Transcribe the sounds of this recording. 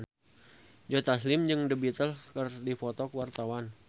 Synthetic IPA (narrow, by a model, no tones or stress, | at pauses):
d͡ʒɔt̪aslɪmd͡ʒɨŋdəbit̪əlkərdifɔt̪ɔkəwart̪awan